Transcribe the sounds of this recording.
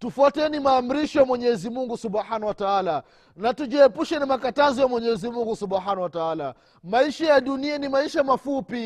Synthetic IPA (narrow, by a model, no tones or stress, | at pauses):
tufɔtɛnimaːm̩ɾiʃɔjamwɛɲɛzimuŋɡusubħanawataala | natuʄiɛpuʃɛnamakatazijamwɛɲɛzimuŋɡusuɓħanawataala | maiʃajaɗunianimaiʃamafupi